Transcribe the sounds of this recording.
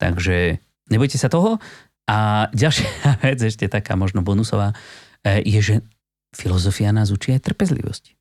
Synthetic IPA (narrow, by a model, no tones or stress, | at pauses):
t̪a̰ɡʒɛ | ɲɛbɔjcɛsat̪ɔɦɔ | ʔaɟalʃɪaaʋɛd͡zɛʃcɛt̪aka̰ːmɔʒnɔbɔnusɔ̰ʋaː | jɛʒɛ | filɔzɔfianaːzut͡ʃiajt̪r̩pɛzlḭʋɔ̰sc